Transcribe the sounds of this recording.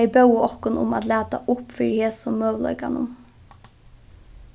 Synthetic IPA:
ɛjbœwɔhkʊnʊ̰ma̰t̪læːt̪a̰ʔʊpfiːɾheːsʊmøːʋlɔ̰ʏkanʊ̰m

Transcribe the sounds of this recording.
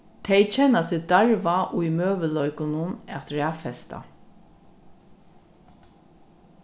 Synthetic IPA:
t̪ʰɛɪt͡ʃʰɛnasɪd̪aɹʋaʔuimøːʋəlœʏkʊnʊnɛt̪ɹæːfɛst̪a̰

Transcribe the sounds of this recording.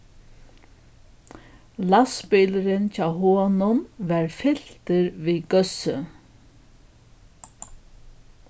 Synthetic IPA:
laspɪlɾɪncʰaːwɦoːnʊnʋɛɹfɪl̥t̪ɪɾviːɡœsə

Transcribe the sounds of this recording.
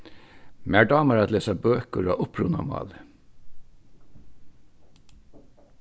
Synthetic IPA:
mæːɖɑːməɾɑt̪leːsɑbøːkəɾɑːʔʊpʰɾʊnɑ̰mɑ̰ːlə

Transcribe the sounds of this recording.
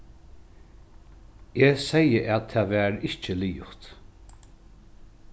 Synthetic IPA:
esɛjəʔætt̪ʰːæːʋæːɾɪht͡ʃəliːʊht̪

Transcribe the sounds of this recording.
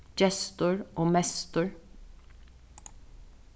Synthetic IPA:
d͡ʒɛst̪ʊɹʔoːmɛst̪əɹ

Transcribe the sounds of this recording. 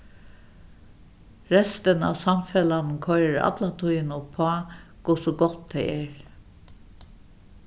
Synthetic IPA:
ɾɛst̪əna̰wsamfɛlannkʰɔjɾəɾa̰t̪lat̪ʰujɪnʊpʰːɔaːkʊsʊɡɔt̪ʰtːɛɪɛɹ

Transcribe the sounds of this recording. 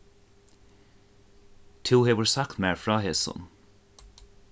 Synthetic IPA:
t̪ʰuːheːvəɹsakmɛɹfɹaːɦeːsə̰n

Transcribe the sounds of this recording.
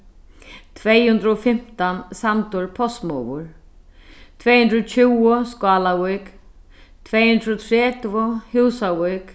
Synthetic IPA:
t̪ʰvɛːjhʉnd̪ɾəɔfɪm̥t̪ansamt̪ʊɹpʰɔst̪mɔvʊ̰ɹ | t̪ʰvɛːjhɵnd̪ɾɔt͡ɕʰɪwʊskaːlavujk | t̪ʰvɛːjhʉnd̪ɾɔt̪ʰɾɛːt̪vʊhɪwsavʊk

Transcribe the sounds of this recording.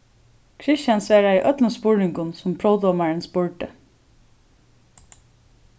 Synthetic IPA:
kʰɹɪʃjansʋæːɹaiʔœt̪ləspʊɹnɪŋkʊnsʊmpʰɾɔʊd̪ɔːmaɹənsbʊɹʈə

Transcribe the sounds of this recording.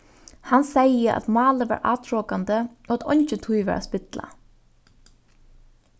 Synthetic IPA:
hansɛjəʔa̰t̪mɑːləʋ̰ːɹʔa̰ːt̪ʰɹɔːkand̪ə | oːat̪ɔ̰ɲt͡ʃət̪ʰujʋæ̰ːɹʔa̰spɪt̪la̰

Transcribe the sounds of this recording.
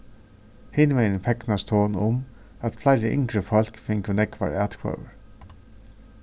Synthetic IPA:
hɪnmɛnənfɛknast̪ʰoːnʊm | æt̪flaɪɾəʔɪ̰ŋkɹəfɔl̥kfɪŋkənɛkʋa̰ɹæːt̪kʰvœ̰ːwə̰ɹ

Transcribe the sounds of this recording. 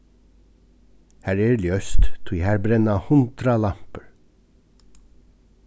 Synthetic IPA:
hæːɾeːljøst̪t̪ʰuːiːhæːɾbɾɛnɑhʊnt̪ɾɑlɑmpəɹ

